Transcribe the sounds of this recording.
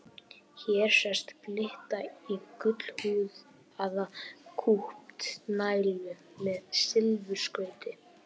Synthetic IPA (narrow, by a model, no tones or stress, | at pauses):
çɛːɾ̥sɛ̥st̪plɪht̪aikʏt̪l̥huːð | aðakʰuhpt̪naːjɾjʏ | mɛðsɪlvʏ̥skœːɥt̪ɪ